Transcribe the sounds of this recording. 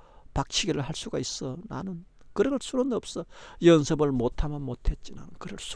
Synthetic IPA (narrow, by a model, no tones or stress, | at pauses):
pak̚t͡ɕʰiɡiɾɯɭɦaɭs͈uɡais͈ʌna̰nɯn | kɯɾeɡɯɭsʰuɾonʌp̚s͈ʌjʌnsʰɯbɯɭmotʰamjʌnmotʰe̞t̚t͡ɕ͈ina̰nnkɯɾɯɭsʰ